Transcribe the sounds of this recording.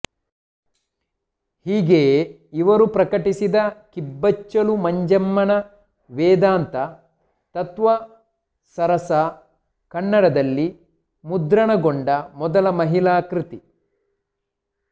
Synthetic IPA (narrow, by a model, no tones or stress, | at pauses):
hiːɡeː | iʋɐɾupɾɐkɐʈisid̪ɐkibːɐt͡ʃːɐlumɐɲd͡ʒɐmːɐɳɐ | ʋɛːd̪aːnt̪ɐ | t̪ɐt̪ʋɐ | sɐɾɐsɐ | kɐɳːɐɽɐd̪ɐlːi | mud̪ɾɐɳɐɡoɳɖɐmɔd̪ɐlɐmɐɦilaːkɾit̪i